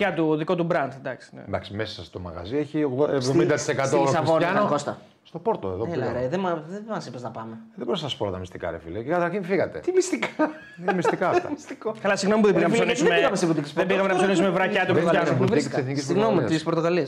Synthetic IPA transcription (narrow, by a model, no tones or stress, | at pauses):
cɐt̪uðiko̞t̪ubɾɐnd̪d̪ɐksi̥nḛd̪ɐksimesɐsɐst̪omɐ̰ɣɐ̰zieçioesvðomind̪ɐt̪i̥sekɐt̪osɐsvonɐnɐokost̪ɐ | st̪opoɾt̪oeðoelɐɾeðemɐðemɐsipeznɐpɐmeðeboɾisɐsɐspoot̪ɐmist̪ikɐ̰ɾḛfḭlekekɐt̪ɐɾçinfiɣɐt̪ḛt̪imist̪ikaɐ | imist̪ikaft̪ɐmist̪ikokɐlɐsiɣno̞mipuðeinɐponisumeiɣɐmest̪iput̪ikspðebiɣɐmenɐfsonisumevɾɐçɐt̪uɾɐnoiseθnikisiɣnomit̪ispoɾt̪oɣɐliɐs